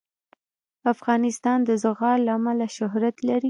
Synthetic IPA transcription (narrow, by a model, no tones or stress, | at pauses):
afɣɑnɪst̪ɑnd̪əzʊɣɑɾlaːmalaʃʊɦɾat̪laɾi